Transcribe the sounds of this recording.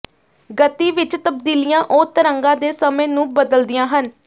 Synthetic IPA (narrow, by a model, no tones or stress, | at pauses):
ɡət̪iːʋɪt͡ʃt̪əb̚d̪iːlijãːʔoːt̪əɾəŋɡãːd̪eːsəmẽːnũːbəd̪əld̪ɪjãːɦən